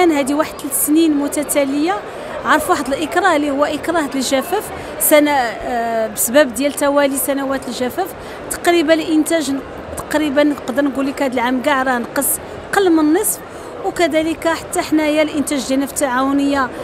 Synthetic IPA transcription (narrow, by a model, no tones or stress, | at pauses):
ænɦæd̪iwaħəd̪sninmʊt̪æt̪æləja | ʕɑɾˤfwaħd̪əlʔəkɾˤɑlihʊwːæʔəkɾˤɑhæd̪əlʒæfæf | sænæ | bəsbæbd̪jælt̪æwælisænæwæt̪əlʒæfæf | t̪ɑ̥qɾibælʔənt̪æʒn | t̪ɑ̥qɾibənːqd̪əɾˤnəɡulikhæd̪əlʕamɡaʕɾˤɑnqəs | qəlːmənːəsˤf | wkæd̪æləkaħḁt̪ːaħnæhəjːælʔənt̪æʒd̪ænəft̪ːaʕawnəjːa